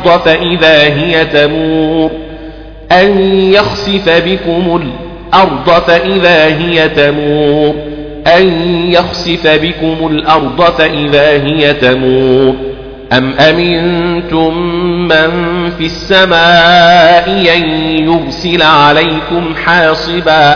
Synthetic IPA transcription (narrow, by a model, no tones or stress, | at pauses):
d̪ˤfaʔɪðaːɦɪjat̪amuːɾ | ʔanjaxsɪfabɪkʊmʊl | ʔɑɾˤd̪ˤɑfaʔɪðaːɦɪjat̪amuːɾ | ʔanjaxsɪfabɪkʊmʊlʔɑɾˤd̪ˤɑfaʔɪðaːɦɪjat̪amuːɾ | ʔamʔamɪnt̪ʊmːanfisːamaːʔɪʔanjʊɾsɪlʕalajkʊmħɑːsˤɨbaː